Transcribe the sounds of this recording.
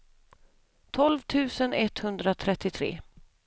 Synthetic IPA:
t̪ʰɔlvt̪ʰʉ̟ːsənɛt̪hɵnd̪ɾat̪ʰɾɛt̪ːɪt̪ʰɾḛː

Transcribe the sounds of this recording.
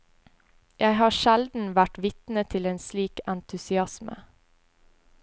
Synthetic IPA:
jʔæɪhɑːʃæld̪n̩ʋæʈʋɪt̪n̩ət̪ʰɪleːnsliːkænt̪ʰʉsɪɑsmə̰

